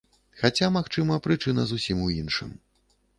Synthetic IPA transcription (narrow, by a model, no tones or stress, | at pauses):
xat͡sʲamaxt͡ʂɨmɐpɾɨt͡ʂɨnɐzusʲimuinʂɨ̰m